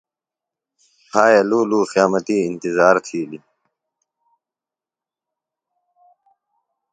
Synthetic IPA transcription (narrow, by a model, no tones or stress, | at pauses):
aːjɐluːluːxijaːmət̪iːnt̪izaːɾt̪ʰiːli